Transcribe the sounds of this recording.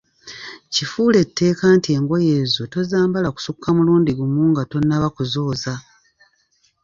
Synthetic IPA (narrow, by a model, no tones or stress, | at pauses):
cifuːle̞tʰːe̞ːkaːntie̞ŋɡo̞je̞ːzo̞to̞zaːmbalaku̥sukʰːamuluːndiɡumuːŋɡato̞nːaβakuzo̞ːza